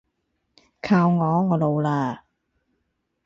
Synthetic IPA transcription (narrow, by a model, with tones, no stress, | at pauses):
kʰaː˧wŋɔː˨˧ŋɔː˨˧lo˨wlaː˧